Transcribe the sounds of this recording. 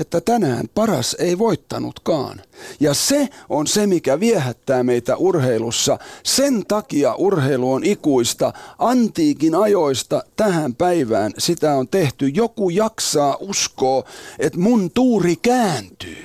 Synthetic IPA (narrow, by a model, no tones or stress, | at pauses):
et̪ːæt̪ænæ̰ːmpɑrɑ̰seiʋoit̪ːɑnṵt̪kɑ̰ːnjɑseonsemikæʋiehæt̪ːæːmeit̪æʔurheilusːɑsent̪ɑkiɑʔurheiluonikuist̪ɑʔɑnt̪iːkinɑjoist̪ɑt̪æhæmpæiʋæːnsit̪æont̪eht̪yjokujɑksɑːʔuskoːet̪munt̪uːrikæːnt̪y̰ː